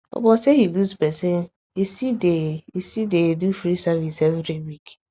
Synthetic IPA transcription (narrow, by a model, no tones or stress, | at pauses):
ɔ̰bɔsehiluzbesi | isideisidedfuɾisavisevɾiwik